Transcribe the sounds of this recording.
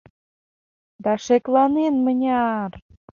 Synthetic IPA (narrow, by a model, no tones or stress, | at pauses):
d̪ɑʃeklɑnenmənʲɑr